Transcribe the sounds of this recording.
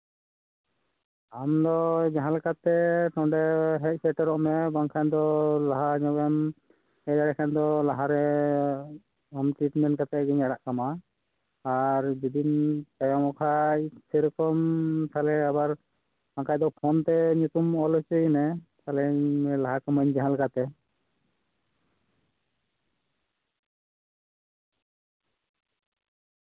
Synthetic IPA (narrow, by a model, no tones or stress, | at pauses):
amd̪ɔd͡ʒaɦãlkat̪ɛʈɔɳɖɛɦɛc̚pʰɛʈɛɾɔʔmɛbaŋkʰajd̪ɔlaɦaɲɔbɛm | ɛjaɽakʰand̪ɔlaɦaɾɛ | amʈɾiʈmɛnʈkat̪ɛɡɛɲaɽaʔkamaː | ɾd͡ʒid̪intajamɔkʰaseɾɔkɔmt̪ʰalɛabaɾ | aŋkajd̪ɔpʰɔnt̪ɛɲut̪umɔlɔt͡ʃɔjnɛt̪ʰalɛlaɦakamaɲd͡ʒɛɦalkat̪ɛ